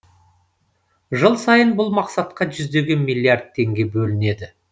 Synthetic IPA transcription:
ʒəlˠsɑjənbʊlˠmɑqsɑt̪̚qɑʒʏzd̪e̞ɡʲe̞nmijlˠijard̪̚t̪ʰːe̞ŋɡʲe̞bɵlɪne̞d̪ɪ

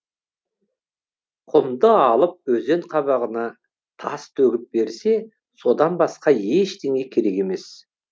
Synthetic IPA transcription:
qʰʊmd̪əɑlˠəp̚ɵze̞ɴqʰɑβɑʁənɑ | t̪ʰɑst̪ʰɵɡʲɪp̚be̞ɾse̞ | so̞d̪ɑnbɑsqɑje̞ʃt̪eŋe̞kʲʰe̞ɾe̞ke̞me̞s

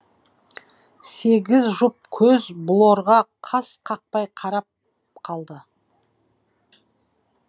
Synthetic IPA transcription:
se̞ɡʲɪzʒʊp̚kʲʰɵzbʊlˠoɾʁɑqʰɑsqʰɑq̚pɑjqʰɑɾɑp̚ | qʰɑlˠd̪ə

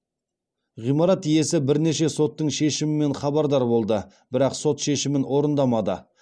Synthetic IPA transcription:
ʁijmɑɾɑt̪ːije̞sɪbɪɾne̞ʃe̞so̞t̪ːəɴʃe̞ʃɪmɪme̞nχɑbɑɾd̪ɑɾbo̞lˠd̪ə | b̥ɪɾɑqso̞t̪ʃe̞ʃɪmɪnwʔo̞ɾənd̪ɑmɑd̪ə̰

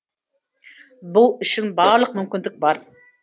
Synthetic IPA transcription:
bulˠyʃɪnbɑɾlˠəqmymkʲɪnd̪ɪk̚ʲbɑɾ

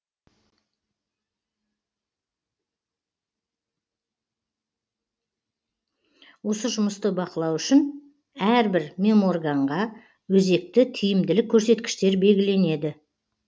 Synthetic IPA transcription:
wo̞səʒʊməst̪əbɑqəlˠɑwʏʃɪn | æɾbɪɾmʲe̞mo̞rɡɑɴʁɑ | wɵze̞k̚t̪ɪt̪ʲʰʏjɪmd̪ɪlɪkʲʰːɵɾse̞t̪kʲɪ̥ʃt̪e̞ɾbe̞lɡʲɪle̞ne̞d̪ɪ

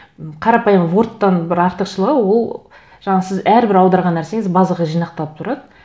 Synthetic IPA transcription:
qʰɑɾɑpɑjəmvo̞ɾt̪ːɑnbɪɾɑɾt̪əqʃəlˠəʁəwo̞lˠ | ʒ̥ɑɴɑsɪzæɾbɪɾɑwd̪ɑɾʁɑnːæɾse̞ŋɪzbɑzləʁəʒijnɑq̚t̪ɑlˠəpt̪ʰʊɾɑd̪ə

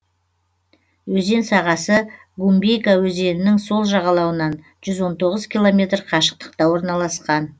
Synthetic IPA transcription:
wɵze̞nsɑʁɑsə | ɡumbejkawɵze̞nɪnɪŋso̞lˠʒɑʁɑlˠɑwənɑn | ʒ̥ʏzwo̞nt̪ʰo̞ʁəzkʲilˠo̞mʲe̞t̪rqʰɑʃə̥q̚t̪ə̥qt̪ɑwo̞ɾnɑlˠɑsqɑn

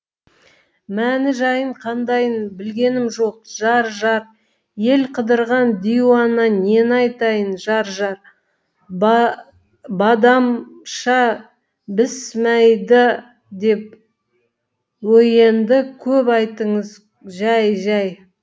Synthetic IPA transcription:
mænɪʒɑjəɴqʰɑnd̪ɑjənbɪlɡʲe̞nɪmʒo̞q̚ʒ̥ɑɾʒɑɾ | je̞lqʰəd̪əɾʁɑnd̪ijuwɑnːɑne̞nɑjt̪ɑjənʒɑɾʒɑɾ | bɑd̪ɑmʃɑ | bɪsmæjd̪ɪ | d̪e̞p̚ | wɵje̞nd̪ɪkʲʰɵpɑjt̪əɴəz | ʒæjʒɑj

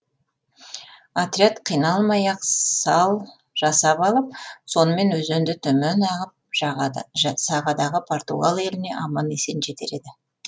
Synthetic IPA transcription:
at̪ɾʲiat̪qʰijnɑlˠmɑjɑq̪ɑlˠ | ʒ̥ɑsɑpɑlˠəp̚so̞nəme̞nwɵzend̪ɪt̪ʰɵmenɑʁəp̚ | sɑʁɑd̪ɑʁəpʰo̞rt̪uɡalˠe̞lɪne̞ʔɑmɑnesenʒe̞t̪e̞ɾe̞d̪ɪ

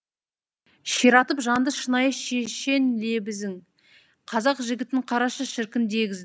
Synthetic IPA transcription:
ʃiɾɑt̪əpʒɑnd̪əʃənɑjəʃeʃe̞nle̞bɪzɪŋ | qʰɑzɑqʒɪɡʲɪt̪ɪɪɴqʰɑɾɑʃəʃɪɾkʲɪnd̪e̞ɡʲɪzd̪ɪ

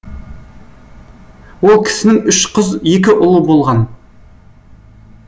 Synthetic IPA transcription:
wolˠkʲʰɪ̥sɪnɪŋʏʃqʰəzje̞k̬ʲɪʔʊlˠəbo̞lˠʁɑn

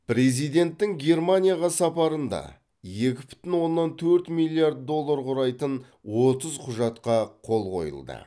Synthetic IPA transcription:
pɾe̞zijd̪e̞nt̪ːɪŋɡʲe̞rmanʲijaʁɑsɑpɑɾənd̪ɑ̰ | je̞kʲɪbʏ̥t̪ɪnwo̞nːɑnt̪ʰɵɾt̪milʲˠːijaɾd̪̚d̪o̞lˠːaɾqʊɾɑjt̪ən | wo̞t̪əzqʰʊʒɑt̪qɑqʰo̞lˠqʰo̞̰jə̰lˠd̪ə̰

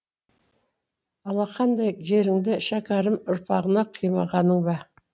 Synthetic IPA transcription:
ɑlˠɑqʰɑnd̪ɑjʒe̞ɾɪŋd̪ɪʃɑkɑɾəmʊɾpʰɑʁənɑqʰijmɑʁɑnəŋbɑ

